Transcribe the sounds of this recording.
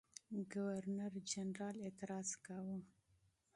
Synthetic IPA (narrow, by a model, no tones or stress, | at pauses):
ɡawaɾnaɾd͡ʒanɾɑlet̪ɪɾɑz̥kawu